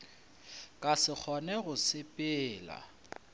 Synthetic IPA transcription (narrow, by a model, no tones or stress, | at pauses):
kʼasɪk͡xʰɔnɛɣʊsɪpʼɪːla̰